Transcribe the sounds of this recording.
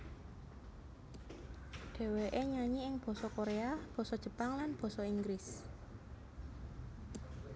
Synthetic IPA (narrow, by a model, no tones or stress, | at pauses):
ɖ̥e̤weʔeɲaɲiɪŋb̥ɔ̤sɔkoɾeab̥ɔ̤sɔd̥ʒ̥ə̤paŋlanb̥ɔ̤sɔiŋɡɾɪs